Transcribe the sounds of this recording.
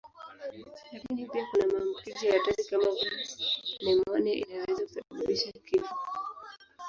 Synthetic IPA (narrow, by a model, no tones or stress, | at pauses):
lakinipiakunamaːmbukizɔjatazikamavu | nɛmɔnɛʔḭnawɛzakuθauɗuɓiʃakifu